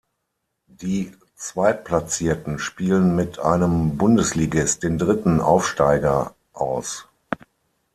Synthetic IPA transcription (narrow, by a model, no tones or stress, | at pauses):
diː | t͡sv̥aɪplat͡siːɐtn̩ʃpiːlənmɪtʰʔa̰ɪnəmbʊndəsliːɡɪst̚d̥eːndʁɪtn̩ʔa̰ʊfʃtaɪɡɐ | ʔa̰ʊs